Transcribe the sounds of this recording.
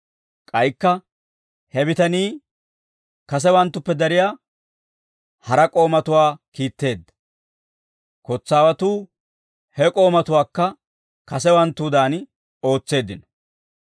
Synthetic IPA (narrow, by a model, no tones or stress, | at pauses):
kʼɐjkːɐ | hɛbɪt̪ɐniː | kɐs̬ɛwɐnt̪ːʊpːɛd̪ɐɾɪjaː | hɐɾɐkʼo̞ːmɐt̪ʊwaːkiːt̪ːe̞ːd̪ːɐ̥ | kɔt͡sːaːwɐt̪uː | hɛkʼo̞ːmɐt̪ʊwaːkːɐ | kɐs̬ɛwɐnt̪ːuːd̪aːn | o̞ːt͡sːe̞ːd̪ɪnɔ̥